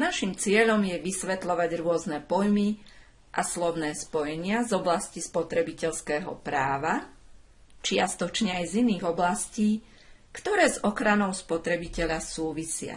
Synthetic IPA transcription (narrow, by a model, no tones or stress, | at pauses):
naʃimt͡sɪɛʎɔmjɛʋisʋɛt̪lɔʋaɟɾʊɔznɛpɔjmi | ʔaslɔʊnɛːspɔjɛɲɪazɔblascispɔt̪ɾɛbicɛʎskɛːɦɔ̰pɾaːʋa | t͡ʃɪast̪ɔt͡ʃɲɛajziniːɣɔblasciː | kt̪ɔɾɛːzɔxɾanɔʊspɔt̪ɾɛbicɛʎasuːʋisɪa̰